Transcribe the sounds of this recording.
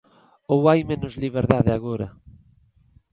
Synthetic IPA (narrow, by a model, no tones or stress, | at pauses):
owajmẽnʊzliβ̞eɾðaðɪaɣoɾɐ̰